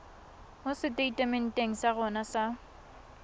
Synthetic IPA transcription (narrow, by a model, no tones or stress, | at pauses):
mʊsɪtʼeitʼemen̩tʼeŋ̩saɣʊnasa